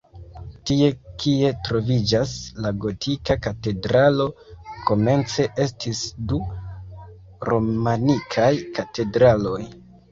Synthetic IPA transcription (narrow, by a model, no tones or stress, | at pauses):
tie̞kie̞tɾo̞vid͡ʒaslaɡo̞tʰikakate̞dɾalo̞kʰo̞me̞nt͡se̞ʔe̞stʰisdu | ɾo̞manikʰajkate̞dɾalo̞j